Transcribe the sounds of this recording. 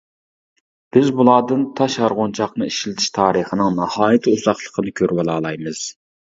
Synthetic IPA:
b̥ɪzbulˠɑːd̪ɨnt̪ʰɑʃɑɾʁont͡ʃʰɑqnɨiʃlɪt̪ʰɪ̥ʃt̪ʰɑːɾəχənɨŋnɑhɑːjɨt̪ʰɨuzɑχlˠə̥qʰənɨkʲʰøɾwɑlˠɑːlˠɑjmɨz̥

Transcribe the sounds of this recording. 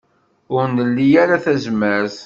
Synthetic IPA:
ʊɾnəlːijaɾaθæzmæɾθ

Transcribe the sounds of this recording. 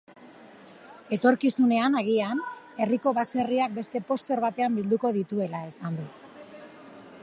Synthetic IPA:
e̞t̪o̞ɾkisune̞anaɣ̞ian | e̞riko̞βase̞riak̚be̞st̪e̞po̞st̪o̞ɾβat̪e̞ambild̪uko̞ðit̪ue̞lae̞sand̪u

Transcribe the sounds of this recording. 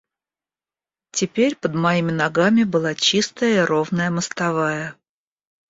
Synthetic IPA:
tʲɪpʲeɾʲpəd̪mɐimʲɪnɐɡamʲɪbɨlˠat͡ɕist̪əjəiro̞vnəjəməst̪ɐvajə

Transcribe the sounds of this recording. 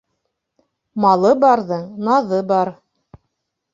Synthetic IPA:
mɑlˠɤbɑɾðɤnɑðɤbɑɾ

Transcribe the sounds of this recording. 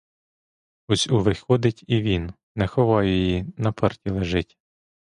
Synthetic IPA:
ɔsʲʊʋɪxɔd̪ɪtʲiʋʲin | nːɛxɔʋɑjjɔjinɐpʰɛrtʲilˠeʒɪtʲ

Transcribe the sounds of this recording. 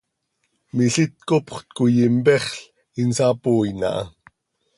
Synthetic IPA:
miɬit̪̚kopχt̪̚kujimpɛχɬ | insaːpoːjna̰ʔɑ̰

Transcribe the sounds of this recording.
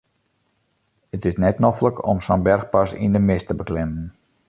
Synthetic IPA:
ətɪsnɛtnɔfləkɔ̰msɔnbɛrxpasḭndəmɪstəbəklɛmən

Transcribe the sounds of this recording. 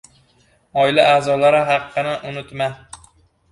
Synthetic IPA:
ɒɪlaʔaːzɒlaɾɪɦɑqːɨnɪʔʊnɪt̪ma

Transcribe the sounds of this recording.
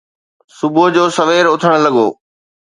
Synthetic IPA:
sʊbʱod͡ʑoːsɐʋeːɾʊt̪ʰəɽ̃lɐɠo̰ː

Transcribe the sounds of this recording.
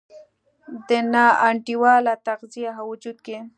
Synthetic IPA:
d̪ənɑaɳʈiwɑlat̪aqzijaɦawʊd͡ʒud̪̚ke

